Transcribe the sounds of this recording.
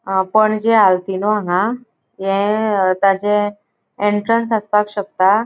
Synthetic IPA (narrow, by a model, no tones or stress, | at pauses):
pəɳd͡ʑealt̪inɔãŋɡã | jẽt̪ad͡ʑẽ | eɳʈɾənsaspakɕək̚t̪a